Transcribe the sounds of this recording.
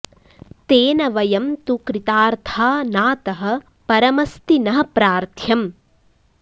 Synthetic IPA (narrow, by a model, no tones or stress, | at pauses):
t̪eːnɐʋɐjɐmt̪ukɾit̪aːɾt̪ʰaːnaːt̪ɐɦɐ̆ | pɐɾɐmɐst̪inɐɦɐpɾaːɾt̪ʰjɐm